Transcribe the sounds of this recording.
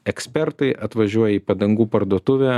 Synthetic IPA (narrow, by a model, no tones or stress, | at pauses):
ɛksʲpʲɛɾt̪ɐɪʔɐt̪ʋɐʒʲuɔjɛiːpɐd̪ɐŋɡuːpɐɾd̪uɔt̪ʊʋʲæ